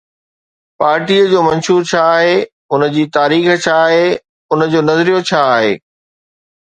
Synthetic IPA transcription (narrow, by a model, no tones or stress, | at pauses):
paːɾʈiːəd͡ʑoːmɐ̃nʃuːɾt͡ɕʰaːɦe | ʊnəd͡ʑiːt̪aːɾiːxt͡ɕʰaːɦe | ʊnd͡ʑoːnɐzɾijot͡ɕʰaːɦḛː